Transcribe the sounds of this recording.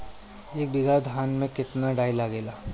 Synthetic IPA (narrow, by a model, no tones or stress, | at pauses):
eːk̚bɪɡad̪ʱɦaːnmẽkɪt̪naɖaːilaɡeːlaː